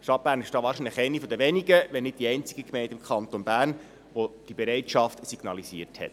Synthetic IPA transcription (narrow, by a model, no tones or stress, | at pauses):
ʃtɑt̚b̥æːɾnɪʃd̥ɑːʋɑːɾʃinləχɛɪnifod̪əʋɛniɡəʋɛnɪd̚d̥iɛɪnt͡siɡəkmɛɪntɪmkʰχɑnt̪onbæːrn | ʋod̥ib̥ɛɾɛɪtʃɑftsiɡ̥nɑliziəɾthɛ̰t